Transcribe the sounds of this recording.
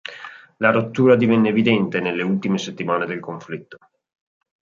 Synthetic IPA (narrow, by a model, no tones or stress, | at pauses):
laɾot̪ːuːɾad̪ivɛnːeːvid̪ɛnt̪enelːeult̪imeset̪ːimaːned̪elkoɱflit̪ːo̥